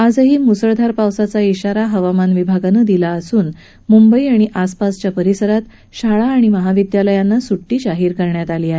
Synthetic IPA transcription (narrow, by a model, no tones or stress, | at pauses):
ad͡zəɦiːmusəɭd̪ʱaɾpawsat͡saiɕaɾaɦəʋamanʋibʱaɡanəd̪ilaəsuːn | mumbəiaɽ̃iʔaspast͡ɕjapəɾisəɾat̪ | ɕaɭaːɽ̃iməɦaʋid̪jaləjanːasuʈːiːɕaɦiːɾkəɾɳjat̪aliːaɦe